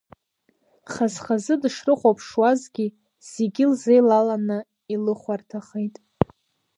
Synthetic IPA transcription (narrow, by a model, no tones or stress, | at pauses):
χazχazɨdʂrɨχʷapʰʂwazɡʲi | z̥eɡʲilzejlalanɨ | ilɨχʷartʰaχejtʼ